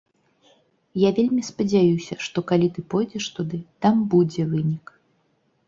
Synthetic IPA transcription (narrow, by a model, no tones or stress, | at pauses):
javʲelʲmʲispɐd͡zʲajusʲɐʂt̪ɔkalʲit̪ɨpɔjd͡zʲɛʂt̪ud̪ɨt̪ambud͡zʲɛvɨnʲik